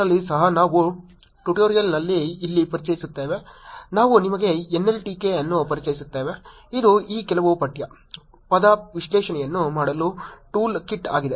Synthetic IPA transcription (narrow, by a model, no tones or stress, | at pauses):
ɐlːisɐɦɐnaːʋu | ʈuʈoːɾijɐlnɐlːiːlːipɐɾit͡ʃɐjisut̪ːeːʋenaːʋunimɐɡe̞enːelʈikeɐnːupɐɾit͡ʃɐjisut̪ːeːʋe | id̪uiːkɛlɐʋupɐʈjɐ | pɐd̪ɐʋiʃlɛːʃɐnɛjɐnːumaːɽɐluʈuːlkiʈːa̰ːɡid̪e